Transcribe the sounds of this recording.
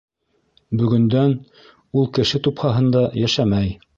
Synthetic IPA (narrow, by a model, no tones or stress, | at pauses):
bɵ̆ɡɵ̆nd̪æn | ulˠkɘ̆ʃɘt̪uphɑɦɤ̆nd̪ɑjæʃæmæj